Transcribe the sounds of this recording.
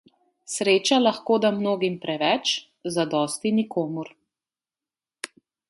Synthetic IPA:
sɾeːt͡ʃalaxkoːd̪amnoːɡimpɾɛʋɛt͡ʃ | zad̪ɔːst̪inikʰoːmuɾ

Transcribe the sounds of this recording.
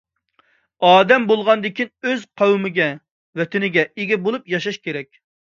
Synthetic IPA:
ɑːd̪ɛmbolˠʁɑnd̪ɪkʲinøzqʰɑwmɪɡʲɛ | wɛt̪ʰɪnɪɡʲɛʔeɡʲɛbolˠupjɑʃɑʃkʲeɾɛkʲ

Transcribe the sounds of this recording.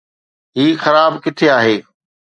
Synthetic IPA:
ɦiːxɐɾaːbkɪt̪ʰeaːɦeː

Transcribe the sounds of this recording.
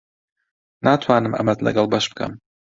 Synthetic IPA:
nʔaːt̪ʰwaːnɨmʔɐ̰mɐt̪lɐ̰ɡɐlˠbɐʃb̥ɨkʰɐ̰m

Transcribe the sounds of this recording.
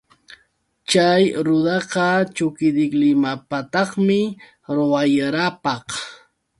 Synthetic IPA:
t͡ʃajɾʊd̪ɑqɑt͡ʃʊkɪd̪ɪklɪmapat̪ɑχmɪ | ɾowajaɾapɑχ

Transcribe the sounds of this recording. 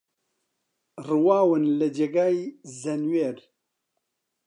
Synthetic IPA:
rɨwaːwɨnlɐd͡ʒeɡaːjzɐnweːɾ

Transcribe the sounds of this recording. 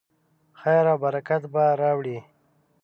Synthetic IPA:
xajɾabaɾakat̪baɾɑwɽi

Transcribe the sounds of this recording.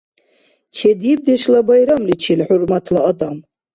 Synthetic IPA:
t͡ʃʰed̪ib̚d̪eʃlabajɾamlit͡ʃʰilħʊrmat̪ʰlaad̪am

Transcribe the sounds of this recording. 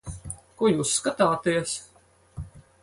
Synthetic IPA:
kujuːsːkat̪aːt̪iɛs

